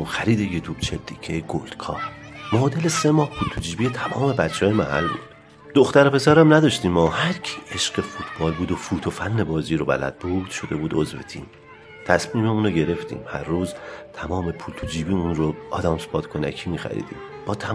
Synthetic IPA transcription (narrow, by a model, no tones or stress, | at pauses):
oxæɾiːd̪ejet̪ʰubt͡ʃʰḛld̪iːcʰeɡold̪̥kʰɒ̰ːɾ | mɒːd̪e̞lesemɒːhpʰult̪ʰud͡ʒiːbijet̪ʰæmɒːme̞bæt̪t͡ʃʰːehɒːjemæhæ̰lbṵːd̪̥ | d̪̥oxt̪æɾepʰe̞sæɾæmnæd̪ɒːʃt̪iːmɒːhæɾcʰi̥ːʔeʃɢ̥efuːt̪ʰb̥ɒːlbuːd̪ofuːt̪ʰofænːe̞bɒːziːɾobæ̰læ̰d̪̥̚bud̪̥ʃo̞d̪e̞buːd̪ozvḛt̪ʰḭːm | t̪ʰæsmiːmeuːnoɟe̞ɾe̞ft̪ḭːmhæ̰ɾːuːzt̪ʰæmɒːme̞pʰult̪ʰud͡ʒiːbiːunɾoɒ̰ːd̪æmse̥pʰɒːt̪kʰonæ̰kʰiːmiːxæ̰ɾḭːd̪ḭːm | b̥ɒːt̪ʰæ